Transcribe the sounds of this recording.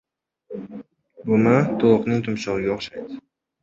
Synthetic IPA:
bʊmɪt̪ʰolˠʊqnɪŋt̪ʰʊmʃɒʁɨɡʲaːχʃajd̪ɪ

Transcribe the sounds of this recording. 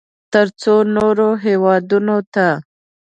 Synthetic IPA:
t̪əɾt͡sonoɾoɦewɑd̪unot̪a

